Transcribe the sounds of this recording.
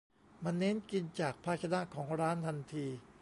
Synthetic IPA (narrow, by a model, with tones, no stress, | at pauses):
ma˧nːe˦˥nki˧nt͡ɕaː˨˩k̚pʰaː˧˩t͡ɕʰa˧na˦˥ʔkʰɔː˩˦ŋɾaː˦˥nt̪ʰa˧nt̪ʰiː˧